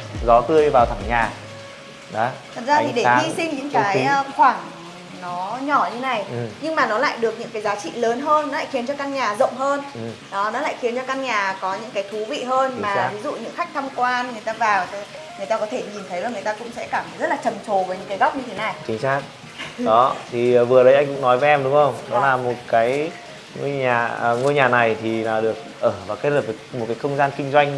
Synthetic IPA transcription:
zɔ˨˦t̪ɨ˧əjvaː˨˩wt̪ʰa˧˩ŋɲaː˨˩ | ɗɔ˨˦t̪ʰə˨˩t̚zaː˧t̪ʰi˨˩ɗe˧˩ŋi˧sï˧ŋ̟ɲɨ̰˧˥ŋkaː˧˨˦jxwaː˧˩ŋ | nɔ˨˦ɲɔ˧˩ɲʰ˧e˦na˨˩jɲɨ˧ŋmaː˨˩nɔ˨˦la̰ː˧˨jɗɨ˨˩ək̚ɲɨ̰˧˥ŋkaː˨˦jzaː˨˦t͡ɕḭ˧˨ləː˨˦nɦəː˧nː˨˦a̰ː˧˨jxi˨˦ənt͡ɕɔ˧kaː˧ŋɲaː˨˩zə̰˧˨wŋ͡mɦəː˧n˩ɗɔ˨˦nɔ˨˦la̰ː˧˨jxi˨˦ənt͡ɕɔ˧kaː˧ŋɲaː˨˩kɔ˨˦ɲɨ̰˧˥ŋkaː˨˦jt̪ʰu˨˦vḭ˧˨ɦəː˧nmaː˨˦vi˨˦zṵ˧˨ɲɨ̰˧˥ŋxa˦˥k̚t̪ʰa˧mkwaː˧nŋɨ˨˩əjt̪aː˧vaː˨˩w | ŋɨ˨əjt̪aː˧kɔ˨˦t̪ʰe˧˩ɲi˨˩nt̪ʰə˨˦jla˨˩ŋɨ˨˩ə˩jt̪aː˧kʊ̰˧˥ŋ͡msɛ̰˧˥kaː˧˩mt̪jzə˦˥t̚laː˨˩t͡ɕə˨˩mt͡ɕo˨˩vəː˨˦jɲɨ̰˧˥ŋkaː˨˦jɣa˦˥wp̚ɲɨ˧t̪ʰe˨˦na˨˩jt͡ɕï˨˦ŋ̟saː˦˥k̚ | ɗɔ˨˦t̪ʰi˨˩˨vɨ˨˩ə˩ɗə˨˦jʔa˧jŋ̟kʊ̰˧˥ŋ͡mnɔ˨˦jvə˨˦ʔɛ˧mɗʊ˨˦ŋ͡mxə˧wŋ͡mɗɔ˨˦laː˨˩mo˨˩t̚kaː˨˦j | ŋo˧ɲaː˨˩˨ŋo˧jɲaː˨˩na˨˩jt̪ʰi˨˩laː˨˩ɗɨ˨˩ək̚ʔəː˧˩vaː˨˩wkaː˨˦jt̚lə˨˩p̚ːkmo˨˩t̚kaː˨˦jxə˧wŋ͡mzaː˧nkï˧ŋ̟zwa˧jŋ̟

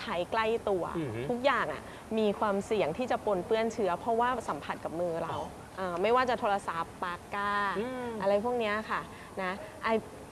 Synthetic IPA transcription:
t͡ɕʰa˦˥jkla˥˩jt̪u˧ɐt̪ʰu˦˥k̚jaː˨˩ŋʔa̰˨˩ | miː˧kʰwaː˧msi˨˩˦əŋt̪ʰiː˥˩t͡ɕa˨˩po˧npɯ˥˩ənt͡ɕʰɯ˦˥ɐpʰɾɔ˦˥waː˥˩sa˩˦mpʰa˨˩t̪̚ka˨˩p̚mɯː˧ɾa˧w | ʔaː˧˩ma˥˩jwaː˥˩t͡ɕa˨˩t̪ʰoː˧la˧sa˨˦pːaː˧kaː˥˩ʔa˧ɾa˧jpʰu˥˩ək̚ni˦˥ɐ˨kʰa˥˩ | na˦˥ʔa˧˩

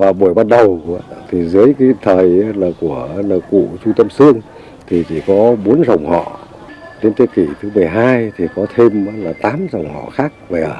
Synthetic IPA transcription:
vaː˨˩ɓu˧˩əjɓaː˧n̚ɗə˨˩wt̪ʰi˨˩zɨ˨˦əjkaː˨˦jt̪ʰəː˨˩jlaː˨˩ku˧˩ə˧˦lːkṵ˧˨t͡ɕu˧ŋ͡mt̪ə˧msɨ˧əŋ | t̪ʰi˨˩t͡ɕi˧˩kɔ˨˦ɓo˨˦ənzə˨˩wŋ͡mhɔ̰˧˨ | t͡ɕe˨˦nt̪i˧əki˧˩t̪ʰɨ˨˦mɨ˨˩əjɦaː˧jt̪ʰi˨˩kɔ˨˦t̪ʰe˧ma˧˦laː˨˩t̪aː˨˦mzə˨˩wŋ͡mhɔ̰˧˨xaː˦˥k̚ve˨˩˨

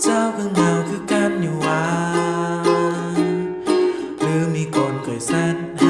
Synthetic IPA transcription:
t͡ɕaː˧˩wkʰɯ˧ŋha˧˩wkʰɯː˧˥˩ka˧˥˩p̚ɲuː˧˩waː˧˦ | ɾɯː˨˦miː˧˥koː˧nkɔ˨˩jsa˧˩n | ʔ

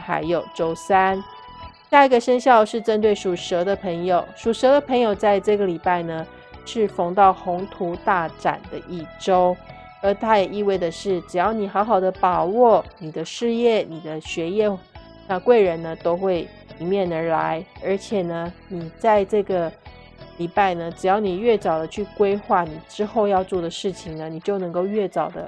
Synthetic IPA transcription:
xa̰˧˥ɪjo˨˩ʊʈ͡ʂo˥ʊsa˥n | ɕja˥˩i˧˥ɡə˨ʂə˥nɕjɑ˥˧ʊʂɻ̩˥˩ʈ͡ʂə˥nt̪we˥˩ɪʂu˨˩ʂɤ˧˥d̪ə˧pʰə˧˥ŋjo˨˩ʊʂu˨˩ʂɤ˧˥d̪ə˧pʰɤ˧˥ŋjo˨ʊt͡sa˥˧ɪʈ͡ʂɤ˥˩ɡə˨li˨˩pa˥˩ɪnə˩ | ʂɻ̩˥˩fo˧˥ŋt̪ɑ˥˩ʊxʊ˧˥ŋt̪ʰu˧˥t̪a˥˩ʈ͡ʂa̰˨˩nd̪ə˦ʔi˥˩ʈ͡ʂo˥ʊ | ə˧˥t̪ʰa˥jɛ˨˩ʔi˥˧we˥˩ɪdə˩ʂɻ̩˥˩ʈ͡ʂɻ̩˨˩jɑ˥˩ʊni˨˩xɑ˧˥ʊxɑ˨˩ʊd̪ə˦pɑ˨˩wɔ˥˩ni˨˩d̪ə˦ʂɻ̩˥˧jɛ˥˩ni˨˩d̪ə˦ɕɥɛ˧˥jɛ˥˧ | na˥˧kwe˥˩ɪɻə˧˥nnə˧t̪o˥ʊxwe˥˩ɪ | li˨˩mjɛ˥˩nə˞˧˥la̰˧˥ɪə˞˧˥t͡ɕʰjɛ˨˩nə˩˦ni˨˩t͡sa˥˧ɪʈ͡ʂɤ˥˩ɡə˩ | li˨˩pa˥˩ɪnə˩ʈ͡ʂɻ̩˨˩jɑ˥˩ʊni˨˩ɥɛ˥˩t͡sɑ˨˩ʊd̪ə˦t͡ɕʰy˥˩kwe˥ɪxwa˥˩ni˨˩ʈ͡ʂɻ̩˥xo˥˧ʊjɑ˥˧ʊt͡swɔ˥˩d̪ə˩ʂɻ̩˥˩t͡ɕʰi˩ŋnə˩ni˨˩t͡ɕjo˥˩ʊnɤ˧˥ŋko˥˧ʊɥɛ˥˩t͡sɑ˨˩ʊd̪ə̰˦

